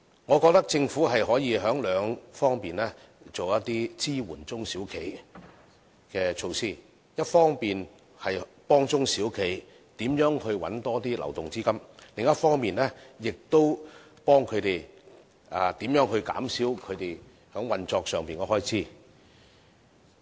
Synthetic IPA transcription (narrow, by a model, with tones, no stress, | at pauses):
ŋɔː˨˧kɔː˧k̚t̪ɐ˥k̚t͡sɪ˧ŋfuː˨˥ɦɐ˨jɦɔː˨˥jiː˨˧ɦœː˨˥ŋlœː˨˧ŋfɔː˥ŋpiː˨nlɛː˥ | t͡so˨wjɐ˥t̚t̪iː˥t͡siː˥wuː˨˩nt͡sʊ˥ŋsiː˨˥wkʰe˨˩j | kɛː˧t͡ʃʰo˧wsiː˥ | jɐ˥t̚fɔː˥ŋpiː˨n | hɐ˨jpɔː˥ŋt͡sʊ˥ŋsiː˨˥wkʰe˨˩j | t̪iː˨˥mjœː˨˥ŋhɵ˧ɥwɐ̰˨˥nt̪ɔː˥t̪iː˥lɐ̰˨˩wt̪ʊ˨ŋt͡siː˥kɐ˥mlɪ˨ŋjɐ˥t̚fɔː˥ŋmiː˨nlɛː˥jɪ˨k̚t̪o˥w | pɔː˥ŋkʰɵ˨˧t̪e˨j | aː˨t̪iː˨˥mjœː˨˥ŋɦɵ˧ɥka̰ː˨˥msiː˨˥wkʰɵ˨˧ɥt̪e˨˩j | hœː˨˥ŋwɐ˨nt͡sɔː˧k̚sœː˨˩ŋpiː˨nŋɔː˨˧˥hɔː˥jt͡sʰiː˥